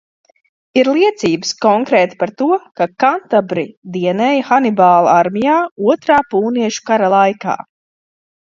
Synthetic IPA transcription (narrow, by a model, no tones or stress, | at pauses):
iɾlˠiɛt̪siːbɨskɔŋkɾɛːt̪i̥paɾt̪uɔkakant̪abɾid̪iɛnɛːjxanibaːl̰ˠaɾmʲijaːuɔt̪ɾaːpuːniɛʃu̥kaɾalˠajka̰ː